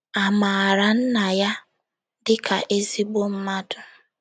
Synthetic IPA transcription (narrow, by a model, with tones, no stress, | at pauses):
a˨ma˨a˨ɾa˦n̩˦na˨ja˦ | dɪ˦ka˨ʔe˦zi˦ɡ͡bo˦m̩˦ma˦dʊ˨